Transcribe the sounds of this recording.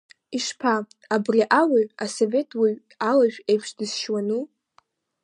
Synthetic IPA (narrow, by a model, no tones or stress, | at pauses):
iʂpʰa | abriʔawiaso̞vetʰwiɥ | alaʒᶣe̞jpʰʂdɨsʃwanu